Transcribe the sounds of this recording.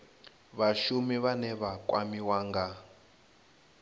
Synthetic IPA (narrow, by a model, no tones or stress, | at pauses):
βaʃumiβanɛβakʼwamiwaːŋɡa